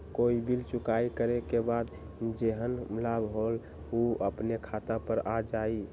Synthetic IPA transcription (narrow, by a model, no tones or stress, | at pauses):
koibʱilt͡ʃukaikəɾekebad̪ | d͡ʒeɦənmlabɦol | uəpnekʰat̪apəɾad͡ʒai